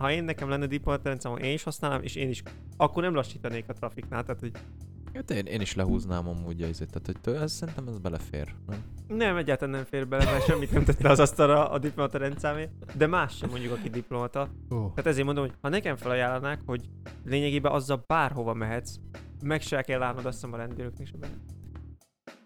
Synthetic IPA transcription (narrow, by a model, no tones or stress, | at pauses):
hɒeːnːɛkɛmlɛnːɛd̪iplomɒt̪ɒɾɛnt̪saːmo̰nʔeːniʃhɒsnaːlaːmʔḛːʃeːniʃ | ɒkːornɛmlɒʃːiːt̪ɒneːkɒt̪rɒfiknaːlt̪aːt̪hoɟ̚ | øt̪eːnʔḛːniʃlɛɦuːznaːmɒmuːɟɒizeːt̪ːaːt̪hoct̪øɛzsɛɾint̪ɛmɛzbɛlɛfḛːɾnɛm | nɛmɛɟːaːɾt̪alanɛmfeːrbɛlɛmɛʃɛmːit̪nɛmt̪ɛt̪ːɛɒzɒst̪ɒɾɒ̰ːd̪iplo̞mɒt̪ɒɾɛnt̪saːmeː | d̪ɛmaːʃːɛmːo̞ɲɟukɒkid̪iplo̞mɒt̪ɒ | oːaːt̪ɛzeːɾmond̪omojhɒnɛkɛɱfɛlɒjaːlːɒnaːkho̞ɟ | leːɲɛɡeːbɛʔɒzːɒlbaːrɦo̞vɒmɛɦɛt̪smɛkʃɛkɛlːaːlnod̪ɒsːɛmɒɾɛnd̪yːɾøknɛkʃɛbɛlː